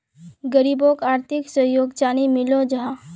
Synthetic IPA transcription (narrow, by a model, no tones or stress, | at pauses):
ɡəɾiːbokaːɾt̪ʰɪksəɦjoːɡd͡ʒaːnimɪlod͡ʒɐɦã